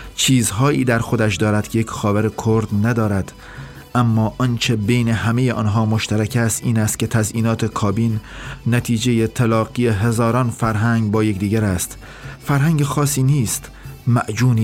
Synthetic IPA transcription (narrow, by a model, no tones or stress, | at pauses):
t͡ʃʰiːzɦɒːiːd̪æɾxo̞d̪æʃ̬d̪ɒːɾæd̪̥kʰejekcxɒːvæɾekʰoɾd̪næd̪ɒːɾæd̪̥ | ʔæmːɒːʔɒnt͡ʃʰe̞be̞jne̞hæmejeʔɒ̰ːnɦɒːmoʃt̪æɾækʰæst̪ʔiːnæst̪̚cʰe̞t̪ʰæzʔiːnɒːt̪ʰe̞kʰɒːbinːæt̪ʰiːd͡ʒe̞jet̪ʰælɒːɣijeɦe̞zɒːɾɒːnfæɾɦæŋɡbɒːjecd̪iːɡæɾæst̪ | fæɾɦæŋɟexɒːsiːniːst̪mæʔd͡ʒuːni